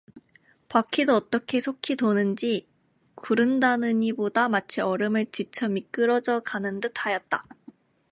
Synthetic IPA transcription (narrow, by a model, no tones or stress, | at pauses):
pakʰidoʌt͈ʌkʰe̞sʰokʰidonɯnd͡ʑi | kuɾɯndanɯɲibodamat͡ɕʰiʌɾɯmɯɭt͡ɕit͡ɕʰʌmik͈ɯɾʌd͡ʑʌkanɯndɯt̚ʰajʌt̚t͈a